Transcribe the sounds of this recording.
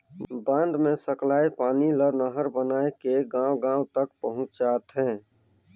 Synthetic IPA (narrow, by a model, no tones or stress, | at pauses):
bãnd̪mẽsəklaːepaːnilənəɦəɾbənaːekeɡãːwɡãːwt̪əkpəɦʊ̃t͡ʃt͡ʃaːt̪ɦɛ̃ː